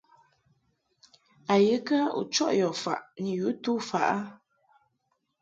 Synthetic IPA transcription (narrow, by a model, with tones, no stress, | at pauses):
a˨jɨ˨˦kə˦ṵ˨t͡ʃɔ̰˦ʔjɔ˨fa̰˨ʔni˨ju˨˦tu˦fa˨ʔa˦